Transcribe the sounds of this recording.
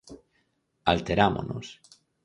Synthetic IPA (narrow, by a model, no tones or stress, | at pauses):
alt̪eɾamo̰no̰s